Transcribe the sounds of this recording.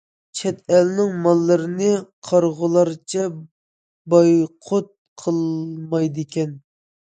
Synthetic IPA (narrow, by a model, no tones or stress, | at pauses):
t͡ʃʰɛt̪ɛlnɪŋmɑlˠːəɾɨnɨqʰɑɾʁʊlˠɑɾt͡ʃʰɛ | bɑjqʰot̪̚qʰəlˠmɑjd̪ɪkʲʰɛn